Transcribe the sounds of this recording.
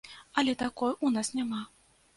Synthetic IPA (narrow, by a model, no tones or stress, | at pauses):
ɐlʲɛt̪akɔjunasnʲama